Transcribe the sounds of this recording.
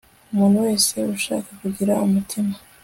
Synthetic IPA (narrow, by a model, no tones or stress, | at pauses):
umuːn̥huwe̞ːse̞uʃa̰ːkakuɟiɾaumutʰima